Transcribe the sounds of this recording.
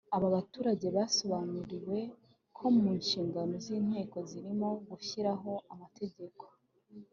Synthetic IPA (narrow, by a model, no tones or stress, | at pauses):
aβaβatuːɾaɟe̞βaːso̞βanuɾiwe̞ | kʰo̞muːnʃiːŋɡano̞ziːn̥he̞ːko̞ziɾimo̞ɡuçiɾaɦo̞amate̞ɟe̞ko̞̥